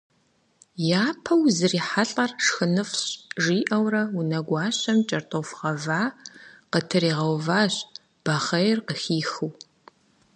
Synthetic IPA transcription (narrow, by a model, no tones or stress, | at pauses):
jaːpʰɐwzɨriːħaɬʼɐrʂxɨnɨfɕʒiːʔɐwrɐwunɐɡʷɑːɕɐmt͡ʃʼɐrtʼofʁɐvaːqətʰɨriːʁɐwvaːɕ | b̥ɐχɐjɪrqəxiːxɨw